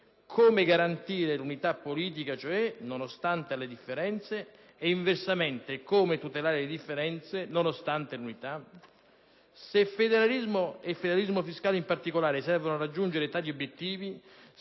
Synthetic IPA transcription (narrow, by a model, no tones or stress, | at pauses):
kʰoːmeɡaɾant̪iːɾelunit̪apːoliːt̪̬ikat͡ʃoɛnonost̪ant̪ealed̪ifːeɾɛnt̪seː | iɱversameɛnt̪ekoːmet̪ut̪elaːɾeled̪ifːeɾɛnt̪senonost̪ant̪elunit̪a | sefed̪eɾalizmoefːed̪eɾalizmofiskaːleimpart̪ikolaːɾesɛrvonoarad͡ʒːund͡ʒeɾet̪aːt̪iobjet̪ːiːvi